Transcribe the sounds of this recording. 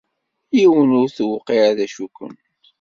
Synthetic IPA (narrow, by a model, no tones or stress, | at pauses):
jiwənʊɾθwqːiʕaðæʃukə̰n